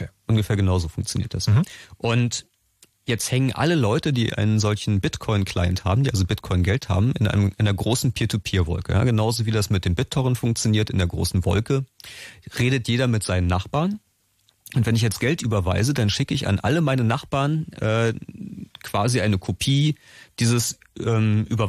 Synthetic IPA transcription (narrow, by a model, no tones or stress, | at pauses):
ʔʊnɡəfeːɐɡənaʊzoːfʊŋk̚t͡sjonḭːɐt̚d̥asʔʊnt | jɛt͡sthɛŋənʔa̰ləlɔʏtədḭːʔa̰ɪnənzɔlçn̩bɪtkʰɔʏnkʰl̥a̰ɪntha̰ːbm̩diːʔalzobɪtkʰɔʏnɡɛltha̰ːbm̩ɪnʔa̰ɪnəmʔɪndeɐɡʁoːsn̩pʰiːɐtʰupʰiːɐvɔ̰lkəja̰ːɡənaʊzoviːdasmɪt̚d̥eːmbɪtʰːɔʁənfʊŋk̚t͡sjoniːɐtɪndeːɐɡʁo̰ːsn̩vɔ̰lkə | ʁeːdətjeːɾɐmɪtz̥aɪnənːaχb̥aːɐn | ʔʊntv̥ɛnɪçjɛt͡stɡ̥ɛltʔyːbɐva̰ɪzədanʃɪkəɪça̰nʔa̰ləmaɪnənaχb̥aːɐnʔɛː | kv̥aːziʔaɪnəkʰopʰiːd̥iːzəs | ʔɛːmʔyːbɐ